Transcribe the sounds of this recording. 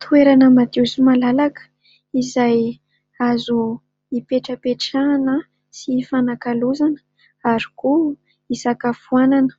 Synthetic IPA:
t̪ʰueɾanəmad̪uzumalalakə̥ | izaj | azu | ipeʈ͡ʂəpeʈ͡ʂanə | sifanakaluzanə̥ | aɾi̥ku | isakafuananə̥

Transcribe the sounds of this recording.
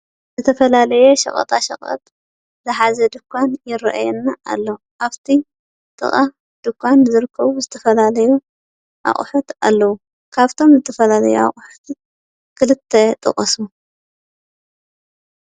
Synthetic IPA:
zɨt̪ʰɐfɐlalɐjɛʃɐ̰χʼɐ̰t̪ʼaʃɐ̰χʼɐ̰t̪ʼ | zɨħazɐd̪ɨkʰʷːanjɪɾɐʔa̰jɛnːaʔːlːɐuʔaβt̪ʰi | t̪ʼɨ̰χʼa | d̪̥ɨkʰʷːanzɨɾɨkʰːɐβuzɨt̪ʰɐfɐlalɐju | ʔa̰χʼħut̪a̰lːɐwu | kʰaβt̪ʰo̞mzɨt̪ʰɐfɐlalɐjua̰χʼħu̥t̪ | kʰɨlɨt̪ʰːɐt̪ʼɨ̰χʼɐsu

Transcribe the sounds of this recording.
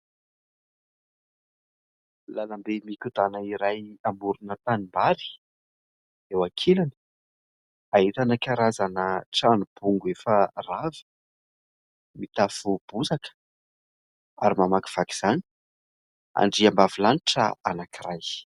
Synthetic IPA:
lanambemikud̪anəiɾajambuɾunət̪animbaɾi̥ | ewakʰelani̥ | aɦit̪anəkaɾazanəʈ͡ʂanub̥uŋɡuefəravi̥ | mit̪afub̥uzakə̥ | aɾimamaki̥v̥aki̥z̥ani̥ | a̰ɳɖ͡ʐiambavilaniʈ͡ʂə̰a̰nakiraj

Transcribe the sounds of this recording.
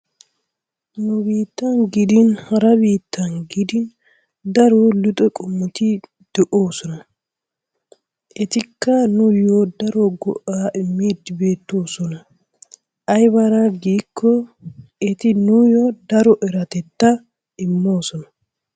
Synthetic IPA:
nʊbiːt̪ːɐnɡɪd̪ɪnhɐɾɐbiːt̪ʰːɐnɡɪd̪ɪn | d̪ɐɾoːlʊt̪ʼɛkʼʊmːʊt̪ɪ | d̪̥ɛʔoːsɔnɐ | ʔɛt̪ɪkːɐnʊjoːd̪ɐɾɔɡɔ̰ʔaːʔɪmːeːd̪ːɪbe̞ːt̪ːo̞ːsɔnɐ | ʔɐjbɐɾɐɡiːkʰːɔ | ɛt̪ɪnʊjɔd̪ɐɾɔʔɛɾɐt̪ɛt̪ːɐ | ɪmːo̞ːsɔnɐ

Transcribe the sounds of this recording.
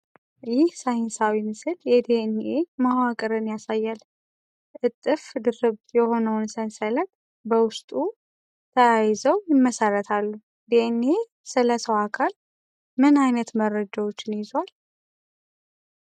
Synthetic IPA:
jɪhsajɪnsawimɨsɨljɛd̪enʔemawakʼəɾɨnjasajːal | ʔɨt̪ʼːɨfd̪ɨɾɨbjɛho̞nəwnsənsələt̪̚ | bəwʊst̪ʼu | t̪ʰəajzəwjɪmːəsəɾət̪ʰalːu | d̪̥ene | sɨləsəwakʰal | mɨnajnət̪məɾːəd͡ʒawo̞t͡ʃːɪnjɪzwal

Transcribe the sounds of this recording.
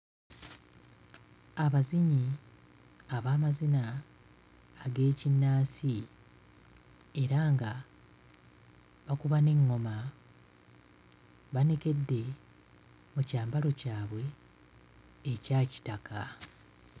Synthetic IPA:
aβaziɲi | aβaːmazina | ɡe̞ːcinːaːsi | e̞ɾaːŋɡa | βakuβane̞ŋːo̞ma | βane̞ke̞dːe̞ | mucaːmbalo̞caːβwe̞ | caːci̥taka

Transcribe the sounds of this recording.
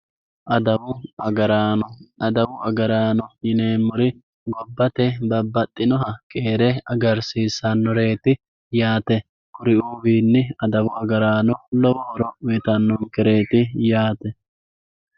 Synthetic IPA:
ʔɐd̪ɐwʊɐɐɾaːnɔɐd̪ɐwʊɐɡɐɾaːnɔjɪne̞ːmːʊɾɪ | ɡɔbːɐt̪ɛbɐbːɐt̪ʼːɪnɔɦɐkʼe̞ːɾɛɐɡɐɾsiːsːɐnːɔɾe̞ːt̪ɪ | jaːt̪ɛ | kʊɾɪuːbiːnːɪɐd̪ɐwʊɐɡɐɾaːnɔlɔwoːɾɔʊɛt̪ɐnːɔŋkɛɾe̞ːt̪ɪjaːt̪ɛ

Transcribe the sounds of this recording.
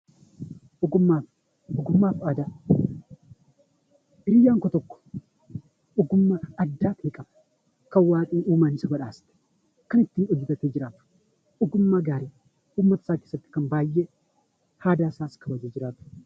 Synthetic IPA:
ʔɔɡʊmːaː | ʊɡʊmːaːfaːd̪a | ʔɪɾɪjːaːŋkɔt̪ɔkːɔ̥ | ʔɔɡʊmːaːɐd̪ːaːt̪ɪkʼɐmɐ̥ | kɐwaːkʼiːnuːmaːnɪsɐbɐᶑaːst̪ɛ̥ | kɐnɪt̪ːiːnɔd͡ʒːɪt̪ɐt̪eːd͡ʒɪɾaːt̪ʊ̥ | ʔɔɡʊmːaːɡaːɾeː | uːmːɐt̪ɐ̥saːkeːsːɐt̪ːɪ̥kɐmbaːjːe | haːd̪aːsaːskɐbɐd͡ʒeːd͡ʒɪɾaːt̪ʊ̥

